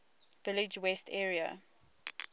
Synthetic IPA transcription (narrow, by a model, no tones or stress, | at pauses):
vɪlɪd͡ʒwɛstʰɛːɹiə̰